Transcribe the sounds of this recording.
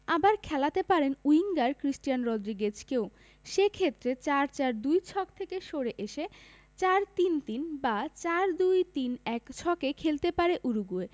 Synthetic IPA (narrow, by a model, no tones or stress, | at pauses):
abaɾkʰɛlat̪epaɾenuiŋɡaɾkɾisʈijanɾɔd̪ɾiɡed͡ʑkew | ʃekʰet̪ːɾet͡ɕaɾt͡ɕaɾd̪ujt͡ɕʰɔkt̪ʰekeʃoɾeʔeʃe | t͡ɕaɾt̪int̪inbat͡ɕaɾd̪ujt̪inɛkt͡ɕʰɔkekʰelt̪epaɾeʔuɾuɡue